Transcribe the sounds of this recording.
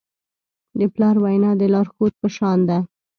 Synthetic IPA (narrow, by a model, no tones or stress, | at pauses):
d̪əplɑɾwajnɑd̪əlɑɾxot̪̚pəʃɑnd̪a